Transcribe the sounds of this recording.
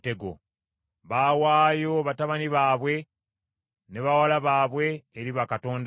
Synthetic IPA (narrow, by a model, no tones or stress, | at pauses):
te̞ɡo̰ | βawaːjo̞βataβaniβaːβwe̞ | ne̞βawalaβaːβwe̞ːɾiβakato̞ːnd